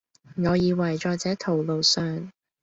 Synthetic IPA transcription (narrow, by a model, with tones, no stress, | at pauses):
ŋɔː˨˧jiː˨˧wɐ˨˩jt͡ʃɔː˧t͡sɛː˨˥t̪ʰo˨˩wlo˨˧wsœː˨ŋ